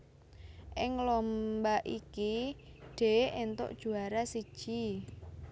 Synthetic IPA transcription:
ʔɪŋlɔmbaʔikiɖ̥e̤ʔent̪o̰ʔd̥ʒ̥ṳaɾasid̥ʒ̥i

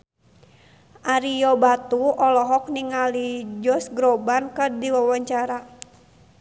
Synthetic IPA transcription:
ʔaɾijɔbat̪uɔlɔɦɔk̚niŋalid͡ʒɔsɡɾobankərdiwawaɲt͡ʃaɾa

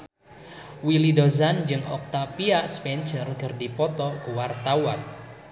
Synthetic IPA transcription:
wilidozand͡ʒɨŋɔk̚t̪apiaʔspɛnt͡ʃərkərdipɔt̪ɔkuwart̪awan

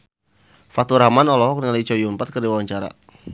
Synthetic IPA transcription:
fat̪uɾamanɔlɔɦɔk̚nalait͡ʃɔjumpat̪̚kərdiwawaɲt͡ʃaɾa̰

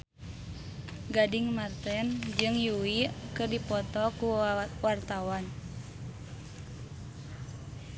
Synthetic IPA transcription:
ɡadiŋmart̪ɛnd͡ʒɨŋjuwiʔkɨrdipɔt̪ɔkuwart̪awan

